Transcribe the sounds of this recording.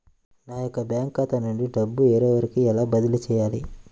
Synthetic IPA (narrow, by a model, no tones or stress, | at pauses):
naːjɔkːɐbjaːŋkːaːt̪ɐnuɳɖiɖɐbːueːɾɔːʋɐɾikiɛlaːbɐd̪ɐlut͡ʃɛːjaːli